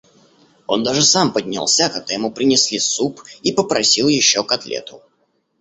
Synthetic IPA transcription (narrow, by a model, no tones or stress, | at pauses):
o̞̰nd̪aʐɨsampədʲnʲɪ̰lˠsʲakɐɡ̚d̪ajɪmupɾʲɪnʲɪsʲlʲisupipəpɾɐsʲilˠjɪɕːokɐt̪lʲḛt̪ʊ